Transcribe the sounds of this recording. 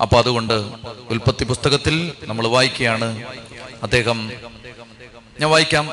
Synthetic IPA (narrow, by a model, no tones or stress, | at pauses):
ɐ̰pːoːɐðuɣo̞ɳɖɨulpɐt̪ːipust̪ɐɣɐt̪ːilnɐmːɐɭʋaːjikʲːɐjaːɳɨ | ɐd̪ːe̞ːɦɐm | ɲɐʋaːjikʲːaːm